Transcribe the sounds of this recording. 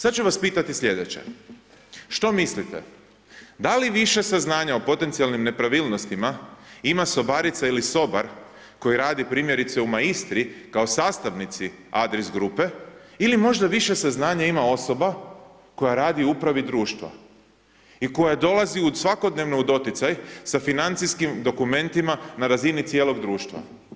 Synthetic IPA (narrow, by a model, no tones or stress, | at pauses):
sat̪̚t͡ʃuʋaspiːt̪at̪isʎʲe̞d̪et͡ɕḛ | ʃt̪o̞mislit̪ḛ | d̪aliʋiʃe̞saznaːɲaopo̞t̪e̞nt̪sialnimne̞pɾaʋilˠnost̪imaimaso̞baɾit̪sailiso̞baɾ | ko̞jiɾaːd̪ipɾiːmje̞ɾit̪seumaɡist̪ɾikaosaːst̪aʋnit̪siad̪ɾesɡɾupe̞ilimo̞ʒd̪aʋiʃe̞saznaːɲaimao̞so̞ba | ko̞jaɾaːd̪ioupɾaʋid̪ɾuːʃt̪ʋa̰ | iko̞jad̪o̞lˠaziusʋako̞d̪ne̞ʋnoud̪o̞t̪jit̪sajsafinant̪siskimd̪o̞kumẽ̞nt̪imanaɾazinit̪sjeːlo̞ɡd̪ɾuːʃt̪ʋa̰